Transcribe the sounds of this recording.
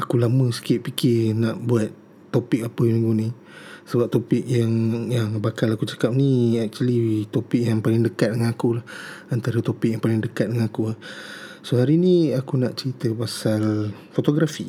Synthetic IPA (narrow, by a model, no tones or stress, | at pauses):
akulaməsə̥kɪʔ̚pikʰɪnaʔbuat̪ː | opɪk̚apəmiŋɡunĩ | səbap̚t̪opɪkjaŋjaŋbakalakut͡ʃḁkap̚niɛk̚t͡ʃualit̪opɪk̚jaŋpalɪŋdəkat̪̚dəŋanakulahant̪aɾət̪opik̚jaŋpalɪŋdəkat̪̚dəŋãnakuahsoɦaɾiniakunaʔt͡ʃəɾit̪əpasalfot̪oɡɾafi